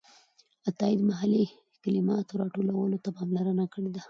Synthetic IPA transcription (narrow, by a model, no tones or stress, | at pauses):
at̪ɑɪd̪maɦali | kalɪmɑt̪oɾɑʈolawəlot̪apɑmlaɾənakəɽed̪a